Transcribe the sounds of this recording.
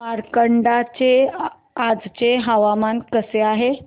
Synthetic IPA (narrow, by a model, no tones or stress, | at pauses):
maɾkəɳɖat͡ɕe | ad͡zt͡ɕeɦəʋamankəseaɦe